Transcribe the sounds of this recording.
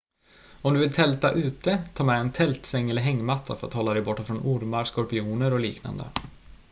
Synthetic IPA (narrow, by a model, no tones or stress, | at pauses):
ɔmd̪ɵvɪlt̪ʰɛlt̪aʔʉ̟ːt̪ət̪ʰɑːmɛːnt̪ʰɛlt̪sɛŋːɛlːəɾɦɛŋːmat̪ʰːa̰fœɾa̰t̪hɔlːad̪ɛjbɔʈːafɾɔnʔʊɾmaɾskɔɾpɪuːnəɾɔliːkna̰nd̪ə̰